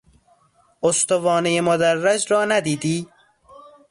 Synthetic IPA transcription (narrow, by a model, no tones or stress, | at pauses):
ost̪ovɒːnejemod̪ærːæd͡ʒɾɒːnæd̪iːd̪iː